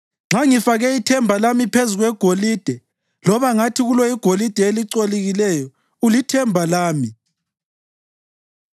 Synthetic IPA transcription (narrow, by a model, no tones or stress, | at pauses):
ŋ͡ǁʱaŋifaɣɛitʰɛmbʱalamipʰezuɣwɛɡ̥ʱoliːd̥ʱɛ | lɔβaŋatʰiɣulɔiɡ̥ʱolid̥ʱɛeliǀoliɣilɛjɔ | ulitʰɛmbʱalaːmi